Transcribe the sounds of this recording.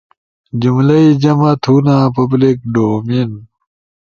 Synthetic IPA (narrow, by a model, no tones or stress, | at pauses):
d͡ʑumlɐid͡ʑɐmɐt̪ʰuːnaːpɐblik̚ɖoːmin